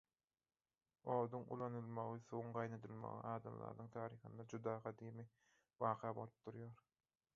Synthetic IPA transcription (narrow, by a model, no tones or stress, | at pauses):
o̞ːd̪uŋṵlˠɑnɯlˠmɑʁɯθuuŋɢɑjned̪ɯlˠmɑ̰ʁḭʔɑːd̪ɑ̰mlˠɑ̰ɾd̪ɯŋt̪ʰɑːɾiːxɯnd̪ɑd͡ʒud̪ɑːʁɑd̪iːmi | bɑːqʰɑːboɾp̚d̪̥uɾjaːɾ